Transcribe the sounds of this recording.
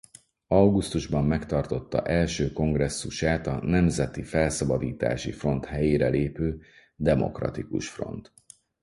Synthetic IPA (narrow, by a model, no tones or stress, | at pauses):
ɒwɡust̪uʒbɒmːɛkt̪ɒrt̪o̞t̪ːɒ̰ʔɛlʃøːko̞ŋɡrɛsːuʃaːt̪ɒnɛmzɛt̪ifɛlsɒbɒd̪iːt̪a̰ːʃifro̞nt̪hɛjeːɾɛleːpøː | d̪ɛmo̞̰krɒ̰t̪ikṵʃfro̞̰nt̪